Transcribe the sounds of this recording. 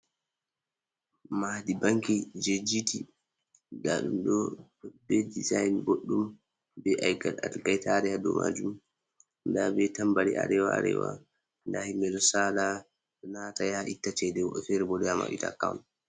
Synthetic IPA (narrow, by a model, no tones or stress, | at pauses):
madibaŋkid͡ʒed͡ʒiti | daɗumɗɔbɛdizajnɡoɗːum | bɛʔajɡaɗa̰lɡajtaɾɛhadɔma̰ːd͡ʒum | ndabɛtambaɾḭa̰ɾɛwaaɾɛ̰wa̰ | ndahimːɛɗɔsaːla | ɔnatajaʔitːat͡ʃɛdɛwɔfɛɾɛbɔdɛjama̰ʔḭta̰ka̰wn